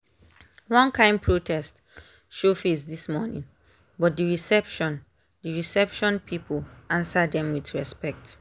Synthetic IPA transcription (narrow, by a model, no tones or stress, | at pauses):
wɔ̃nkʰãɪ̃ndpʰɹotʰɛst | ʃofesdismɔnḭ̃n | bɔt̚diɹisɛpʃɔ̃n | diɹisɛpʃɔ̃npʰipʰəlãnsadɛ̃mwiθɹɛspɛk̚t